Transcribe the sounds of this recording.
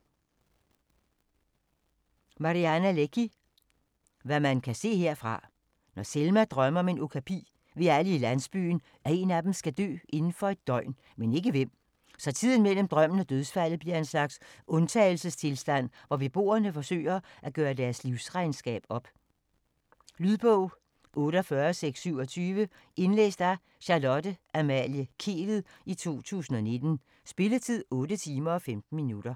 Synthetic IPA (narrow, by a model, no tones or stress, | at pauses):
mɑ̈ʁiænæleɡ̥ʰi | ʋæmænkʰæse̝̰ːhe̝ɐ̰fʁɑ̈ | nɒselmæd̥ʁɶmɐɒme̝nʔokʰæpʰḭː | ʋe̝æləilænsb̥y̰ːn̩ | æe̝ːnæd̥em̩sɡ̥æd̥ø̰ːʔe̝nn̩fɒ̽e̝d̥̚ːɒɪn | mene̝ɡ̥əʋem̰ | sɒ̽t͡sʰið̞̰ˠn̩mel̰m̩d̥ʁɶm̰n̩æd̥øðˠsfæl̰ð̩b̥liɐe̝nslɑ̈ɡ̥sɔ̽nt͡sʰɛ̰ːɪl̩səst͡sʰe̝lsd̥æn̰ | ʋɒʋe̝b̥o̝̰ːɐnəfɒ̽sø̰ɪɐʔæɡ̥ɶːɐdæɐsliʊsʁɑ̈ɪnsɡ̥ɛ̰ːb̥ɒ̽b̥ | lyðˠb̥ɔʊ̰ | ʔɔ̽ːɾəɒfɶːɐseɡ̥sːyʊɒ̽t͡sʰyːʋə | e̝nlḛːsd̥ɑ̈ | ɕɑlɒ̽dəʔæmæljəkʰe̝̰ːʋð̩ˠ | it͡sʰo̝̰ːt͡sʰṵːsn̩ɒ̽ne̝d̥n̩ | sb̥e̝lət͡sʰið̞̰ˠɔ̽ːɾət͡sʰiːmɐɒ̽femd̥n̩minuɾ̥ɐ